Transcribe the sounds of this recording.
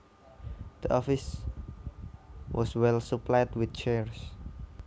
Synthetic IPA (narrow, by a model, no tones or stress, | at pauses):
d̪̥əʔɔfis | wʔɔswɛlsuplajdwɪt̪̚t͡ʃɛɹs